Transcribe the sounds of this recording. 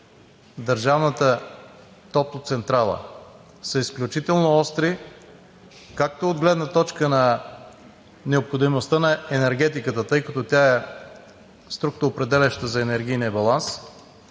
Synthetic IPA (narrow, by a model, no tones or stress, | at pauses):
d̪əɾʒavnət̪ə | t̪ɔp̚t̪ot̪sɛnt̪ɾalˠə̰ | sɐisklʲut͡ʃit̪ɛlˠnoɔst̪ɾi | kak̚t̪ood̪ɡlɛd̪nət̪ɔt͡ʃkənɐ | nɛopxod̪imost̪ənɐɛnɛɾɡ̟ɛt̪ikət̪ət̪ɤjkɐt̪ot̪ʲjaɛ | st̪ɾuk̚t̪oopɾɛd̪ɛlʲɛʃt̪əzɐɛnɛɾɡʲijniəbɐlˠans